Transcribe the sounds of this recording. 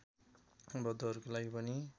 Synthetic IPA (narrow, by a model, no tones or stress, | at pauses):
bʌd̪oʌɾukolaɡipʌni